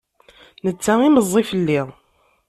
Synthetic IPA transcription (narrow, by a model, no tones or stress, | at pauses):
nət͡sːæiməzˤːifəlːiðˤ